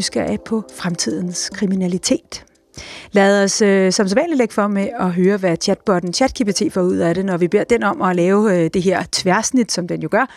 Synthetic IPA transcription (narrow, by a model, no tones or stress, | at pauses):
sɡ̥ɐʔæpʰɒ̽fʁamt͡sʰið̞̰ˠn̩skʰʁiminælit͡sʰe̝̰ːd̥ | lɛːð̩ˠɒ̽søsɒ̽msɛʋænlileɡ̥fɒ̽meɒ̽ɦøːɐʋæt͡ɕʰæd̥̚b̥ɒ̽d̥n̩t͡ɕʰæd̥̚kʰib̥it͡sʰe̝̰ːfɒuð̰ˠæɾe̝nɒʋib̥e̝ɐ̰d̥enɒ̽mɒ̽lɛːʊd̥e̝ɦe̝ɐ̰t͡sʰʋæɐsnid̥sɒ̽md̥enjo̝ɡ̥ɶɐ